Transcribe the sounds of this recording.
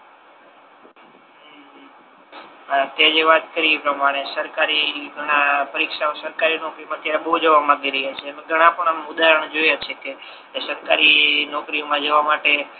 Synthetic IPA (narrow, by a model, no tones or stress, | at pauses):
t̪jad͡ʒeʋat̪̚kəɾipɾəmaɽ̃esəɾkaɾiɡʱəɽ̃ãpəɾikʃaosəɾkaɾinɔkɾimãət̪jaɾeɓəɦud͡ʒəʋamãɡiɾəɦjat͡ʃʰeəmẽɡʱəɽ̃ãpəɳ̃əmʊd̪aɾəɳ̃d͡ʒojat͡ʃʰeke | səɾkaɾinɔkɾiomãd͡ʒəʋamaʈe